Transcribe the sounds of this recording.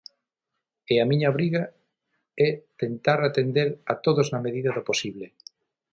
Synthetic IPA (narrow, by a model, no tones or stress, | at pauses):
eamiɲaβɾiɣa | ɛt̪ent̪aɾat̪end̪eɾat̪oðoznameðiðaðoposiβle